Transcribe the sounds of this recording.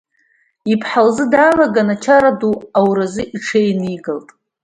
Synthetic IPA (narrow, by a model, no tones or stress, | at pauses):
ipʰħalzɨdaːlaɡanat͡ʃʰaɾaduawɾazɨʔiʈ͡ʂʰejniɡaltʼ